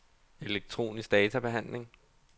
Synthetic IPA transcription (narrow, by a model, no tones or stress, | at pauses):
e̝leɡ̥̚t͡sʰʁo̝̰ːnisɡ̥d̥ɛːt͡sʰæb̥e̝ɦæn̰le̝ŋ